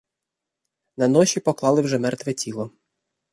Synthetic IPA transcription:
nɐnɔʃʲipɔklˠɑlˠɪwʒɛmɛrt̪ʋɛtʲilˠɔ

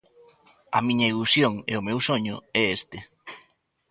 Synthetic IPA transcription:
ɐ̰mĩɲɐilusjoŋḛʊmewsoɲʊ̰ɛest̪e

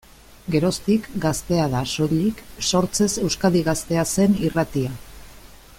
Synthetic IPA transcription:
ɡe̞ɾo̞st̪ikɡast̪e̞aðaso̞ʎikso̞ɾt͡se̞se̞wskaðiɣ̞ast̪e̞ase̞nirat̪ia

